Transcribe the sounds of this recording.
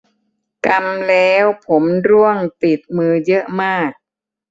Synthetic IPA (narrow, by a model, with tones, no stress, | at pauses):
ka˧mlɛː˦˥wpʰo˩˦mɾu˥˩əŋt̪i˨˩t̪̚mɯː˧jɤ˦˥ʔmaː˥˩k̚